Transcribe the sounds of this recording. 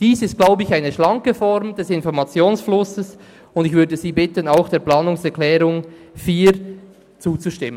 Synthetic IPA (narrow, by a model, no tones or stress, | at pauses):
d̥iːsɪstɡ̥laʊbəɪçaɪnəʃlɑŋkəfɔɾmd̥ɛsɪnfɔɾmɑt͡sjoːnsflʊsəs | ʊndɪçvʏɐdəziːbɪtənaʊxd̥eːplaːnʊŋsɛɐklɛːɾʊŋ | fiːɾ | t͡suːt͡suʃtɪmə